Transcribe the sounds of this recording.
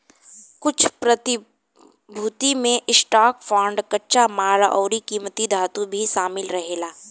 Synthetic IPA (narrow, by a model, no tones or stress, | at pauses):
kʊt͡ʃʰpɾɐt̪ɪ | bʱut̪imẽʔɪsʈaːkfʰɔːɳɖkɐtːʃamaːlʔɔːɾikiːmət̪id̪ʱaːt̪ubʱiʃaːmɪlɾɐɦeːlaː